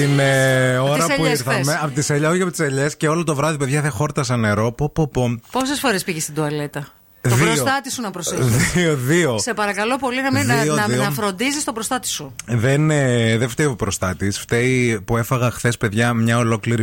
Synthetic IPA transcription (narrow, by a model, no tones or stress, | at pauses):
t̪ineoɾɐpuiɾθɐɐmeɐpot̪iseʎɐoʝɐpot̪i̥seʎesceo̞lot̪o̞vɾɐðipe̞ðʝɐθexo̞ɾt̪ɐs̬ɐne̞ɾo̞popopoposesfo̞ɾespiʝest̪id̪uɐle̞t̪ɐ | ðiosot̪ɐt̪isunɐpɾosðioðio̞sepɐɾɐkɐlo̞po̞linɐminionɐðioɐfɾo̞nd̪izist̪obɾost̪ɐt̪i̥suðeneðeft̪eopɾost̪ɐt̪isft̪eipue̞fɐɣɐxθe̞spe̞ðʝɐmɲɐo̞lo̞kliɾi